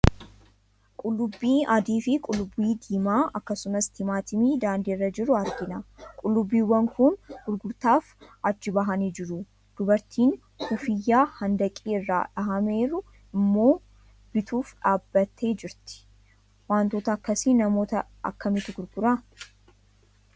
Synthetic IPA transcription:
kʼʊlːʊbːiːʔɐd̪iːfɪkʼʊlːʊbːiːd̪iːmaːʔɐkːɐsʊmɐst̪ɪmaːt̪ɪmiːd̪aːnd̪iːɪrːɐd͡ʒɪɾʊɐɾɡɪnɐkʼʊlːʊbːiːwːɐŋkʊnɡ̥ʊɾɡʊɾt̪aːfɐt͡ʃːɪbɐɦɐniːd͡ʒɪɾʊ | d̪̥ʊbɐɾt̪ʰiːn | hʊfɪjːaːhɐnd̪ɐkʼiːɪrːa̰ːᶑɐɦɐme̞ːɾʊ | ɪmːo̞ː | b̥ɪt̪ʰuːfᶑaːbːɐt̪ʰːe̞ːd͡ʒɪɾt̪ɪ̥ | waːnt̪oːt̪ɐːkːɐsiːnɐmo̞ːt̪ɐ | ɐ̰kːɐmɪt̪ɪɡʊɾɡʊɾɐ

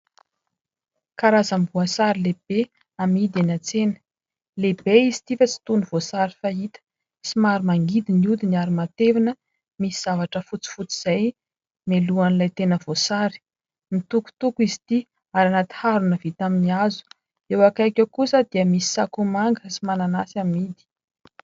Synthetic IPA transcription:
kaɾazambuasaɾileb̥e | amid̪anat͡senə̥ | lebeizi̥t̪ifət͡si̥t̪unuv̥osaɾifaɦit̪ə̥ | simaɾimaŋɡid̪iniud̪iniaɾimat̪evinə | misiz̥avaʈ͡ʂəfut͡si̥fut͡si̥z̥aj | meluanilajt̪enəvosaɾi̥ | nit̪uku̥t̪ukuizit̪i | aɾanat̪i̥haɾunəvit̪aminiazu̥ | ewakajkʲəkusəd̪̥iəmisi̥sakumaŋɡəsimananasamid̪i̥

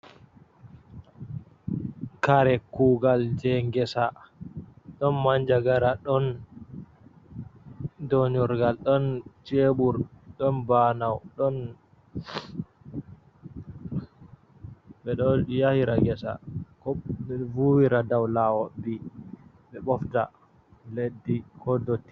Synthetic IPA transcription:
kaɾɛkuɡald͡ʒɛŋɡɛsa | ɗɔnmaɲd͡ʒaɡaɾaɗɔn | dɔɲuɾɡalɗɔnt͡ʃeɓuɾɗɔnbanawɗɔn | ɓɛɗɔjahiɾaŋɡɛsa̰kɔvuwiɾadawlawɔbi | ɓɛɓɔfta̰ | ledːikɔdotːi̥

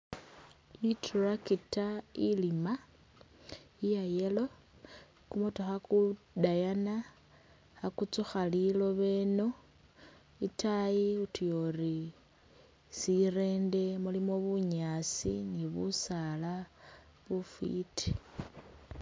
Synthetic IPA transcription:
iturakitailima | ijajelo̞ | kumutoxaku | dajana | akut͡suxalilo̞βe̞no̞ | itajiutujori | sire̞ːnde̞mulimoβuɲasḭniβṵsala | βufḭti̥

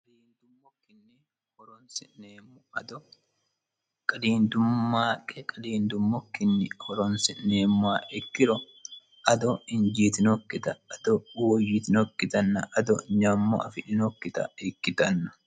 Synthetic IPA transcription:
kʼkɐd̪iːnd̪ʊmːɔkːɪnːɪ | hɔɾɔnsɪneːmːʊɐd̪ɔ | kʼɐd̪iːnd̪ʊmːaːkʼɛkʼɐd̪iːnd̪ʊmːɔkːɪnːɪhɔɾɔnsɪʔneːmːaːʔɛkːɪɾɔ | ʔɐd̪ɔɪnd͡ʒiːt̪ɪnɔkːɪt̪ɐɐd̪̥ɔwɔjɪt̪ɪnɔkːɪt̪ɐnːɐʔɐd̪ɔɲamːɔ̰ɐfɪᶑɪnɔkːɪt̪ɐ̰ɛkːɪt̪ɐnːɐ̥

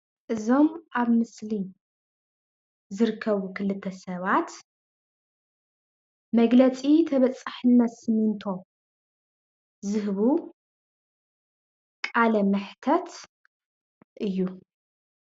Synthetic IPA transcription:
ʔɨzo̞mʔaβmɨsli | zɨɾɨkʰːɐβukʰɨlɨt̪ʰːɐsɐβat̪ | mɐɡlɐt͡sʼit̪ʰɐβɐt͡sʼːaħɨnːɐt̪sɨmɨnt̪ʰo̞ | zɨɦβu | kʼalɐmɨħt̪ʰɐt̪ | ʔɨjːu

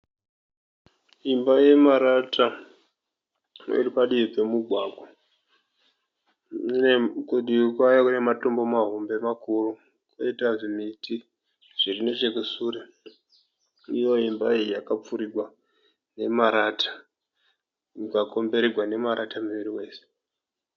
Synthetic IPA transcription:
ɦimbaje̞maɾatʰa | ḭripaɗiipe̞muɡʱwaːɡwo | nekuɗiukwajokune̞mato̞mbo̞maɦombe̞makuru | koitaʐimitʰi | ʐ̥irine̞t͡ʃe̞kusuɾe | ijo̞ɦimbaijijakap͡fuɾiɡʱwa | ne̞maɾatʰḁ | jukako̞mbe̞ɾiɡʱwane̞maɾatamiʋiɾiwe̞ːse̥

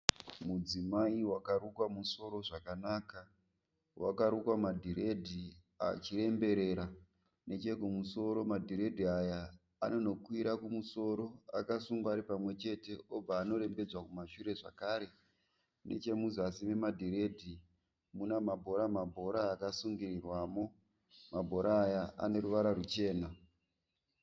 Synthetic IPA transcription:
mud͡zimaiwakaɾukwamuso̞ɾo̞ʐakanaːka | wa̰kaɾukwamadʱiɾe̞dʱi | a̰t͡ʃire̞mbe̞ɾe̞ːɾa | ne̞t͡ʃe̞kumuso̞ɾo̞madʱiɾe̞dʱiaja̰ː | no̞no̞kwiɾakumuso̞ɾo̞akasuŋɡaaɾipamwe̞t͡ʃe̞te̞ob͡vaːno̞ɾe̞mbe̞d͡zwakumaʃuɾe̞ʐa̰kaːɾe̞ | ne̞̰t͡ʃe̞muzasime̞madʱiɾe̞dʱi | munamabʱo̞ɾamabʱo̞ɾaːkasuŋɡirirwaːmo̞ | mabʱo̞ɾaːjaa̰ne̞ɾuʋaɾaɾut͡ʃe̞ːna

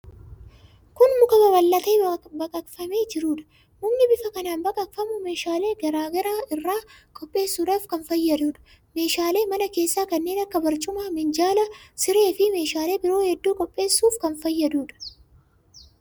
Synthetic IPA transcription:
kʊnmʊkɐbɐbɐlːɐt̪eːbɐkʼɐt̪fɐmeːd͡ʒɪɾuːᶑɐ̥ | mʊmnɪbɪfɐkɐnaːnbɐkʼɐfɐmʊme̞ːʃaːleːɡɐɾaːɡɐɾaːʔɪrːaːkʼɔpʼːe̞ːsːuːᶑaːfkɐnfɐjːɐd̪uːᶑɐ̥ | me̞ːʃaːle̞ːmɐnɐke̞ːsːaːkɐnːe̞ːnɐkːɐbɐɾt͡ʃʼʊmaːmɪnd͡ʒaːlɐsɪɾe̞ːfɪme̞ːʃaːle̞ːbɪɾo̞ːhɛd̪ːuːkʼɔpʼːe̞ːsːuːfkɐnfɐjːɐd̪uːᶑɐ̥

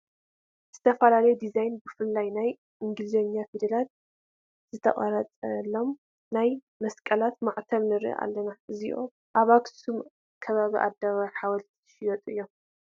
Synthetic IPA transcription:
z̥ɨt̪ʰɐfɐlalɐjud̪izajnbɨfɨlːajnaj | ʔɨŋɡɨlzeɲafid̪ɐlat̪̚ | z̥ɨt̪ʰɐ̰χʼɐɾɐt͡sʼɐlːo̞m | naj | mɐskʼɐlat̪maʕt̪ʰɐβnɨɾḭʔa̰lːɐnaɨziʔo̰ | ʔaβaɡsum | kʰɐβaβiʔa̰d̪aβaħawɐlt̪ʰi̥ɨ̥ʃijɐt̪ʼɨjːo̞m

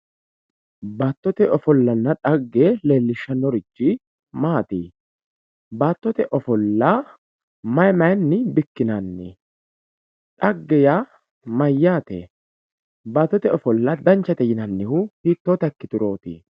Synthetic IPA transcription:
baːt̪ːɔt̪ɛɔfɔlːɐnːɐᶑɐɡːeːle̞ːlːɪʃːɐnɔɾɪd͡ʒːɪ | maːt̪ḭː | baːt̪ːɔt̪ɛʔɔfɔlːɐ | mɐjmɐjnːɪbɪkːɪnɐnːɪ̰ | ᶑɐɡːɛja | mɐjːaːt̪ɛ̰ː | baːt̪ːɔt̪ɛɔfɔlːɐd̪ɐnt͡ʃːɐt̪ɛjɪnɐnːɪhʊhiːt̪ːoːt̪ɐkːɪt̪ʊɾo̞ːt̪ḭː

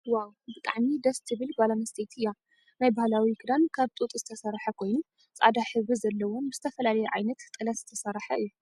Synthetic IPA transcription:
wawbɨt̪ʼaʕmid̪ɐst̪ʰɨβɨlbalanɐst̪ʰejt̪ʰɨjːa | najbahlawikʰɨd̪ankʰaβt̪ʼut̪ʼzɨt̪ʰɐsɐɾħɐkʰo̞jnu | t͡sʼa̰d̪aħɨzbizɐlːɐwonbɨzɨt̪ʰɐfɐlalɐjɛʕajnɐt̪ːʼɨlɐt̪zɨt̪ʰɐsɐɾħɐʔɨjːu

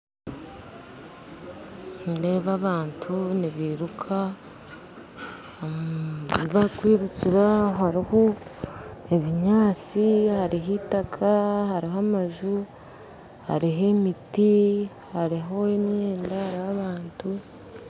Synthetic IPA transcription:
nide̞ːβaβaːntʰuniβiːɾukʰa | niβakwiːɾuciɾaɦaɾiho | eβiɲaːt͡sihaɾiɦitakʰahaɾiɦamaʒu | ha̰ɾiɦemiti | haɾiɦo̞emeːndahaɾihaβaːntu

